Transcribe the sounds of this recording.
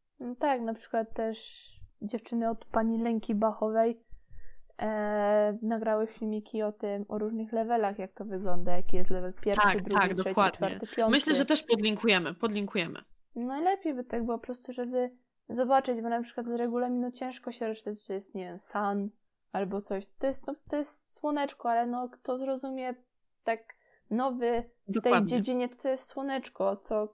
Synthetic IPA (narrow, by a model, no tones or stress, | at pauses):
nt̪aknapʂɘ̥kwat̪ːɛʂd͡ʑɛft͡ʂɘnɘɔt̪paɲilɛŋkʲibaxɔvɛj | naɡɾawɘfʲilmʲikʲiɔt̪ɘmɔɾuʐnɘxlɛvɛlaxjak̚t̪ɔvɘɡlɔnd̪ajakʲijɛst̪lɛvɛlpʲjɛɾfʂɘd̪ɾudd̪ɔʂɛwaid̪t͡ʂffaɾtɛt̪ɘpʲjɔnmɘɕlɛʐɛt̪ɛʂpɔd̪lʲiŋkujɛmɘpɔd̪lʲiŋkujɛmɘ̰ | najlɛpʲjejbɘt̪aɡbɘwɔpɔɾɔst̪uʐɛbɘ | zɔbat͡ʂɘd͡ʑbɔnapʂɘkwad̪zɾɛɡulamʲinut͡ɕɛ̃w̃ʂkɔɕɛɾɔʂɨ̥t̪at͡ɕt̪ɔjɛst̪ɲevʲjɛmsan | albɔt̪sɔɕt̪ːɔjɛst̪nɔt̪ɔjɛst̪swɔnɛt͡ʂkɔalɛnɔkt̪ɔzɾɔzumʲjɛ | t̪ak | nɔvɘt̪ɛwad͡ʑed͡ʑiɲɛt̪ɔ̥t̪sɔjɛst̪swɔnɛt͡ʂkɔt̪sɔ